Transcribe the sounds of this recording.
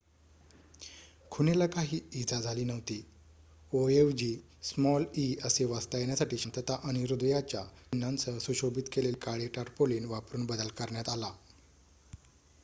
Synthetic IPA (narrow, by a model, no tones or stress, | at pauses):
kʰunelakaɦiːid͡zad͡zʱaliːnəʋt̪iː | oefd͡ʑiː | smɔliəseʋast̪ajenjasaʈiːɕənt̪ət̪aʔəniɾud̪jat͡ɕja̰nːant͡səsuɕobit̪kelelkaɭeʈaʈpoliːnʋapɾuːnbəd̪əlkəɾɳjat̪ala